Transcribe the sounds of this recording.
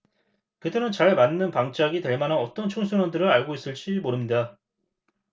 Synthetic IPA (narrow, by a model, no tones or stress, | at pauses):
kɯdɯnɯnt͡ɕaɭmanːɯnpaŋt͡ɕ͈aɡitwe̞ɭmananʌt͈ʌnt͡ɕʰoŋsʰunandɯɾɯɾaɭɡois͈ɯɭt͡ɕ͈imoɾɯmɲida